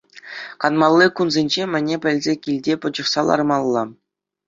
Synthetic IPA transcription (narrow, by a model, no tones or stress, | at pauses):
kɑnmɑlˠːɯkunzʲenʲd͡ʑemʲɘ̆nʲepʲɘ̆lʲzʲekʲilʲdʲepɤ̆d͡ʑɤ̆χsɑlˠɑ̰rmɑlˠːɑ